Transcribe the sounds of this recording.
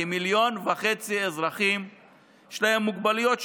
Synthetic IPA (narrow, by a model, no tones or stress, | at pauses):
miljo̞nvaχet͡siezʁaχim | ʃlahe̞mːuɡbalujo̞t̪ʃ